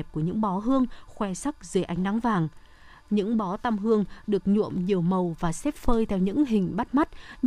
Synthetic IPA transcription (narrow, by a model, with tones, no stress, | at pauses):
p̚ku˧˩əɲɨ̰˧˥ŋɓɔ˨˦ɦɨ˧əŋxwɛ˧sa˦˥k̚zɨ˨˩˨ʔa˨˧jŋ̟na˨˦ŋvaː˨˩ŋ | ɲɨ̰˧˥ŋɓɔ˨˦t̪a˧mɦɨ˧əŋɗɨ˨˩ək̚ɲṵ˧˨əmɲi˨˩əwmə˨˩wvaː˨˩sɛ˦˥p̚fəː˧jt̪ʰɛ˧wɲɨ̰˧˥ŋɦï˨˩ŋ̟ɓa˦˥t̚ma˦˥t̚